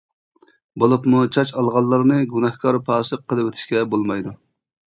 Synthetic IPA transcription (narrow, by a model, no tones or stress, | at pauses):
bolˠupmut͡ʃʰɑt͡ʃɑlˠʁɑlˠːɑɾnɨɡunɑhkʰɑɾpʰɑːsɨqʰːəlˠɨwet̪ʰɪ̥ʃkʲɛbolˠmɑjd̪u